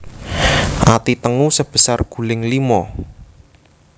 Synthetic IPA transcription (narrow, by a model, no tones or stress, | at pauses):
ʔat̪it̪əŋusəb̥ə̤sarɡ̥ṳlɪŋlimɔ